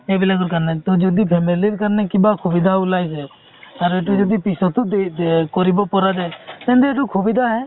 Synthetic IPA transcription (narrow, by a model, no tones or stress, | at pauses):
ebilaɡɔɾkaɾnɛt̪ɔd͡ʒɔd̪ipʰemiliɾkaɾnɛkibakʰubid̪ʱaulajsɛ | aɾeʈ̬ud͡ʒɔd̪ipisɔt̪ukɔɾibɔpɔɾad͡ʒajt̪ɛ̃nd̪ɛeʈukʰubid̪ʱaɦɛ